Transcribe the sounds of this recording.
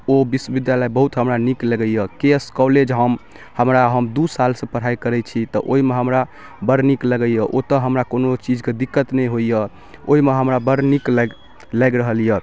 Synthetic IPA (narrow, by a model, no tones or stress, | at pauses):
obiswəbid̪jaləjbəɦut̪ɦəmɾanikləɡəjəkeskɔled͡ʒɦəm | həmɾaɦəmd̪usalsə̃pəɾ̤aikəɾɛt͡ʃʰit̪ɔ̰ʔoɦimeɦəmɾa | bəɾnikləɡɛjəʔot̪əɦəmɾakonot͡ʃid͡ʒked̪ikːət̪nɛjɦoijə | oɦimeɦəmɾabəɾnikləɡ | lɛɡɾəɦəljə